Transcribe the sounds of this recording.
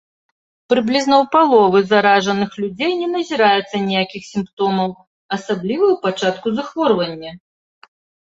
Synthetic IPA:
pɾɨblʲiznɐwpalˠɔvɨzaɾaʐɐnɨxlʲud͡zʲejnʲɛnɐzʲiɾajut̪sːɐnʲɛjakʲixsʲimpt̪ɔmɐw | ɐsablʲivɐwpat͡ʂat̪kuzaxvɔrvɐnʲːɐ

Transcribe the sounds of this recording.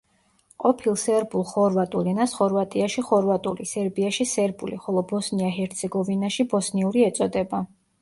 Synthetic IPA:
qʼɔpʰilˠsɛɾbulˠχɔɾvat̪ʼulinasχɔɾvat̪ʼiaʃiχɔɾvat̪ʼṵlisɛɾbiaʃisɛɾbuliχɔlˠɔbɔsniaɦɛɾt̪sʰɛɡɔvinaʃibɔsniuɾiɛt̪sʼɔd̪ɛba

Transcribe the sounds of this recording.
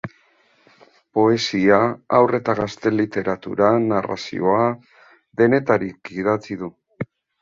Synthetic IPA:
po̞e̞siaawre̞t̪aɣast̪e̞lit̪e̞ɾat̪ṵɾanara̰sḭo̞a | ðe̞ne̞t̪aɾikið̞at͡siðu

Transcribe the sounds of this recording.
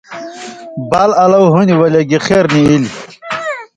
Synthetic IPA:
balɐlɐwɦuniwɐleɡixeɾniili

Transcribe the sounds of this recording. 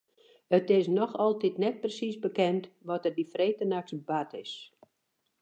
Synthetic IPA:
ətɪsnɔxɔlˠtitnɛt̚prəsisbəkɛntʋɔtərdifreːtənaksbatʰɪ̰s

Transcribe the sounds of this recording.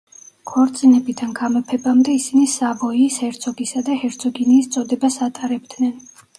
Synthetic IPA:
kʰɔɾt̪sʼinɛbid̪anɡamɛpʰɛbamd̪ɛisinisavɔiːshɛɾt̪sʰɔɡisad̪ahɛɾt̪sʰʼɔɡiniːst̪sʼɔd̪ɛbasat̪ʼaɾɛbd̪nɛn

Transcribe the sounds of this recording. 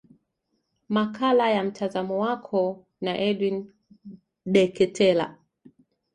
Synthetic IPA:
makʰalajam̩tʰazamɔwakʰɔ | naʔɛɗwin | ɗɛkɛtʰɛla̰

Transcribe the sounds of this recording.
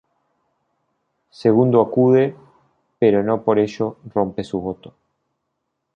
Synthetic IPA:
seɣund̪oakuðe | peɾo̞no̞po̞ɾeʃo̞ro̞mpesuβo̞t̪o̥

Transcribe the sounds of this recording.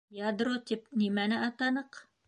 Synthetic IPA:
jɑd̪ɾot̪ipnimænɘʔɑt̪ɑnɤq

